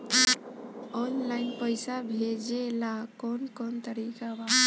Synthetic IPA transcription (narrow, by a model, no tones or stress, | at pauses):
ɔnlaɪnpəjsabʱed͡ʒelakɔnkɔnt̪əɾikaba